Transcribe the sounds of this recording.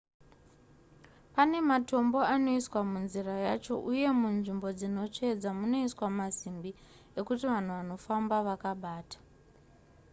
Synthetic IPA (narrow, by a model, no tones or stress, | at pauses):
pane̞mato̞mbo̞ano̞iswamunzirajat͡ʃo̞̰ʔuje̞munʐimbo̞d͡zino̞t͡ʂe̞d͡zamuno̞iswamazimbi | e̞kutiʋan̤uʋano̞fambaʋakaɓaːtḁ